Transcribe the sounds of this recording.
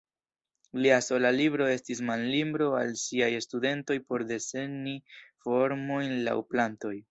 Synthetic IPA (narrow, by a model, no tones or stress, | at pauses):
liaso̞lalibɾo̞e̞stis̬manlimbɾo̞a̰lsiajestude̞nto̞jpo̞ɾde̞se̞nifo̞ɾmo̞jnla̰wplanto̞j